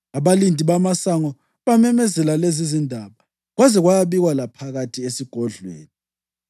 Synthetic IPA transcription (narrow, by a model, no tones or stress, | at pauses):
aβalindʱiβamasaŋɔ | βamɛmɛzɛlalezizindʱaːβa | ɣwazɛɣwajaβiɣwalapʰaɣatʰʼiesiɡ̥ʱɔɮwḛːni